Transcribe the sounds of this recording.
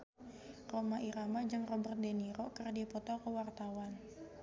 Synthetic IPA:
romaʔiɾamad͡ʒəŋrɔbərt̪̚deniɾokərdipɔt̪ɔkəwart̪awan

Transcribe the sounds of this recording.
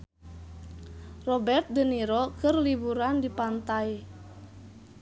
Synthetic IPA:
rɔbɛrt̪̚dəniɾokɨrlibuɾandipant̪aj

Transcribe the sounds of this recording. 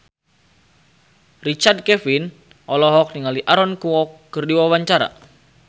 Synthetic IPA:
rit͡ʃard̚kɛfin | ʔɔlɔɦɔk̚niŋaliʔaɾɔnkuɔkːərdiwawaɲt͡ʃaɾa̰

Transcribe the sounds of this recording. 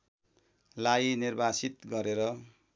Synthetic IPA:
lajinirbasit̪ɡʌɾeɾʌ

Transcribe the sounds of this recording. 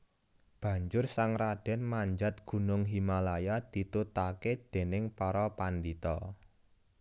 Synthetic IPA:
b̥ä̤ɲd͡ʒʊrsaŋrad̪̥ɛ̤nmaɲd͡ʒa̤t̪̚ɡ̥ṳnʊŋɦimalajad̪̥i̤t̪ut̪aked̪̥e̤nɪŋpɔɾɔpand̪it̪ɔ

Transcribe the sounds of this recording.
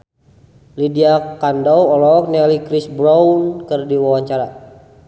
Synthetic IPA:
lidiakandɔwɔlɔk̚nɛlikɾisbɾawnkɨrdiwawaɲt͡ʃaɾa

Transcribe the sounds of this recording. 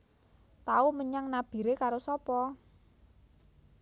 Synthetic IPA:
t̪auməɲaŋnab̥i̤ɾekaɾosɔpɔ

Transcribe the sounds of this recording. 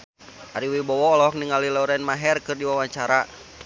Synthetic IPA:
ʔaɾiwibɔwɔːlɔɔk̚niŋalilɔuɾɛnmaɦɛrkɨrdiwawaɲt͡ʃaɾa

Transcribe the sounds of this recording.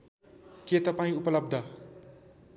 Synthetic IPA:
ket̪ʌpãĩupʌlʌb̚d̪ʱʌ

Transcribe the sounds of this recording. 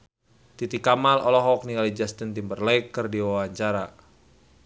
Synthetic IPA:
t̪it̪ikamalɔlɔɦɔk̚niŋalid͡ʒast̪int̪imbərlɛkːɨrdiwawaɲt͡ʃaɾa

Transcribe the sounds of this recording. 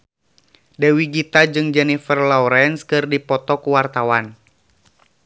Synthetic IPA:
dɛwiɡit̪ad͡ʒɨŋd͡ʒɛnifərlɔuɾɛnskɨrdipɔt̪ɔkuwart̪awan

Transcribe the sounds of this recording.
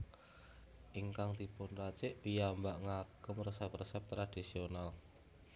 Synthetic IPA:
ʔiŋkaŋd̪ipʊnrat͡ʃɪʔwijambaʔŋaɡ̥əmrəsɛp̚rəsɛp̚t̪ɾad̪̥isional

